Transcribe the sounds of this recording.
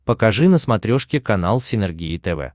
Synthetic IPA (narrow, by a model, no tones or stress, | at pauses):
pəkɐʐɨnəsmɐt̪ɾʲoʂkʲɪkɐnalˠsʲɪnɛrɡʲiɪt̪ɛvɛ̰